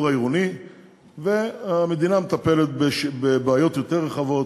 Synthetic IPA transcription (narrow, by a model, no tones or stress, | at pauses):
ʁaiʁuni | veame̞d̪inamet̪ape̞let̪̚beʃbebaːjo̞t̪jo̞t̪eʁːeχavo̞t